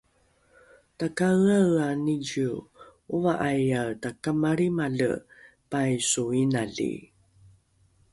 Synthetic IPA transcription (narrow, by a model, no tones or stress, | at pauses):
takaɣaaniɟiuvaʔajatakamaɾimaɮə̰ | pajsuinaɮḭ